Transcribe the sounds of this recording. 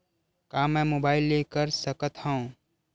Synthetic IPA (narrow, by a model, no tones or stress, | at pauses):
kaːmɛ̃ːmoːbaːɪlːeːkəɾsəkət̪ɦɛ̃õ